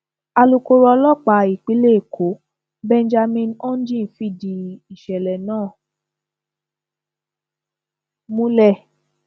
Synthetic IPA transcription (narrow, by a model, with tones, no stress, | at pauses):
a˧lu˧ko˧ɾɔ˧lɔ˦k͡pa˨i˨k͡pi˨˦le˦˨kʰo˨˦ | bɛ˧n˦d͡ʒa˧mĩ˧nɔ˦n˦d͡ʒĩ˦˨fi˦˨di˧i˨ʃɛ˨lɛ˨nãː˦˨ | mũ˦lɛ˦˨